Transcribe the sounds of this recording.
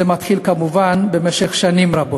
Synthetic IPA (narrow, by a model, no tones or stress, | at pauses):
emat̪χilkamuvanbe̞meʃe̞χʃanimɾabo